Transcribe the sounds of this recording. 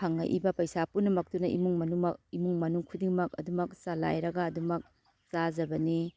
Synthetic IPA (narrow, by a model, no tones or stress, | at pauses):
aŋɐ̰ʔḭbɐpɐjsapunɐmɐk̚tunɐʔḭmuŋmɐnumɐk̚imuŋmɐnuŋkʰudiŋmɐk̚ɐ̰dumɐk̚sala̰jɾɐɡaːdumɐk̚ | sazɐbɐni